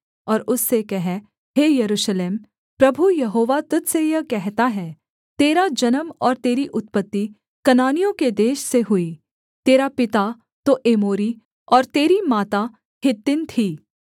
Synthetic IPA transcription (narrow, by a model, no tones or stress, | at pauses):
ɔːɾʊsːekɛɦɛ | ɦeːjɐɾuːʃleːm | pɾɐbʱujɐɦoːʋat̪ʊt̪sejɐkɛɦt̪aɦɛː | t̪eːɾad͡ʒɐnəmɔːɾt̪eːɾiʔʊt̪̚pət̪ːi | kɐnaːnijõked̪eːʃseɦʊi | t̪eːɾapɪt̪a | t̪oʔeːmoːɾi | ɔːɾt̪eːɾimaːt̪a | ɦɪt̪ːɪnt̪ʰiː